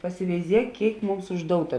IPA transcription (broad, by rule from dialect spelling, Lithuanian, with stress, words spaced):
pɐsʲɪʋʲɛɪˈzʲiɛk ˈkʲeːɪk ˈmʊms ʊʒˈdoːʊtɐ